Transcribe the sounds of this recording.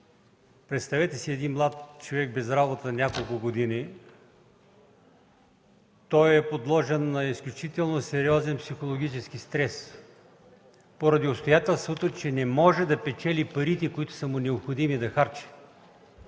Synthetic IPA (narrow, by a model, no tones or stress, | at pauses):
pɾɛt̪st̪ɐvɛt̪ɛsiɛd̪inmlˠat̪t͡ʃovɛɡbɛzɾabot̪ənʲakolˠkʊɡod̪ini | t̪ɔjɛpod̪lˠɔʒɛnːɐisklʲʊt͡ʃit̪ɛlˠnosɛɾiɔzɛnpsixolˠoɡ̟it͡ʃɛskist̪ɾɛs | poɾɐd̪iost̪ojat̪ɛlˠst̪vət̪ət͡ʃɛnɛmɔʒɛd̪ɐpɛt͡ʃɛlipɐɾit̪ɛkoit̪ʊ̥sɐmʊnɛopxod̪imid̪ɐxaɾt͡ʃɛ̥